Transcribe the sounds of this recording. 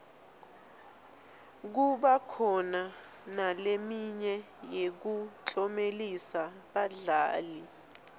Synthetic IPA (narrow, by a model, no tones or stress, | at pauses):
k̬uɓakʰɔna | nalemiɲɛ | jek̬ut͡ɬʼɔmelisa | ɓaɮaːli